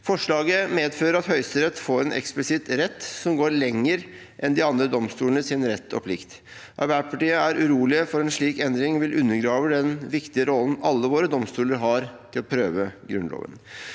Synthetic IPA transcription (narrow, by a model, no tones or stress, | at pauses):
fɔʂɭɑːɡəmeːd̪føːɾəɾɑt̪hœʏst̪əɾɛt̪ːfoːɾɛnʔɛ̰ksplɪsɪt̪ɾɛt̪ːsɔmɡoːɾɭɛŋːəɾ | ʔɛnd̪ɪɑnd̪ɾəd̪ɔmst̪uːlənəsɪnɾɛt̪ʰːɔ̰pʰlɪkt̪ | ʔɑ̰ɾbæːʈpʰɑʈiːəæɾʔʉɾuːlɪəfɔɾɛnʂɭiːkɛnd̪ɾɪŋʋɪlʔʉnːəɾɡɾɑːʋəd̪ɛnʋɪkt̪ɪəɾɔln̩ɑlːəʋoːɾəd̪ɔmst̪uːləɾɦɑɾt̪ʰɪlɔpʰɾøːʋəɡɾʉnlo̰ːʋə̰n